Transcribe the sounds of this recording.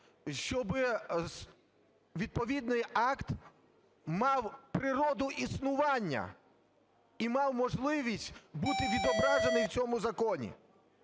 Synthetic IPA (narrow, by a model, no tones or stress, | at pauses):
ʃt͡ʃɔbɪ | ʋʲid̪̚pɔʋʲid̪nɪjɑkt̪ | mɑwpɾɪɾɔd̪ʊʔisnʊʋɑnʲːɐ̰ | imɑwmɔʒlˠɪʋʲisʲtʲbut̪ɪʋʲid̪ɔbɾɑʒenɪjwt͡sʲɔmʊzɐkɔnʲḭ